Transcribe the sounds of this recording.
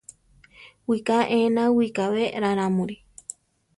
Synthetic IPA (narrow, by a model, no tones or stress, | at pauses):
wikaʔẽnãwikaβeɾaɾ̃ãmũɾi